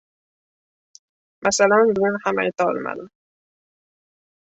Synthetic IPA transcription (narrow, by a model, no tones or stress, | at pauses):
mʔasalanzzunhama̰jt̪ɑːlma̰l